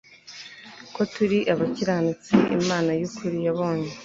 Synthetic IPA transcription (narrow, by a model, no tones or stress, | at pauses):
ko̞tuɾiʔaβaciɾaːnut͡siʔḭmaːnajokʰuɾijaβo̞ːɲe